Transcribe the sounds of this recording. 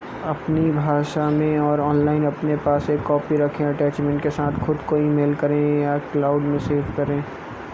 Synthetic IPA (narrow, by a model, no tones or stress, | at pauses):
ɐpnibʱaːʃamẽɔːɾɔːnlaːɪnɐpnepaːsekːɔːpiɾɐkʰẽɐʈɛːt͡ʃmɛ̃ɳʈkesaːt̪ʰxʊd̪koiːmeːlkɐɾẽjaklaːʊɖmẽseːfkɐɾẽ